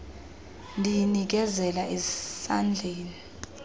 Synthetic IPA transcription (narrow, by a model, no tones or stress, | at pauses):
ndʱijinik̬ɛzɛlaʔizsand͡ɮʱeːni